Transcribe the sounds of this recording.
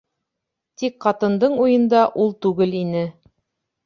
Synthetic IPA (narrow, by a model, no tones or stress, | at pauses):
t̪ikqɑt̪ɤ̆nd̪ɤɴujɤ̆nd̪ɑʔulˠt̪ʉɡɘlinɘ